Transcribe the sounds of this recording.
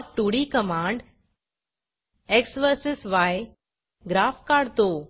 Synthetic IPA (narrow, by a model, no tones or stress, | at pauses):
ʈuɽikəmãːɳɖ | eksʋəɾsɪsʋaj | ɡɾaːfkaːɽt̪o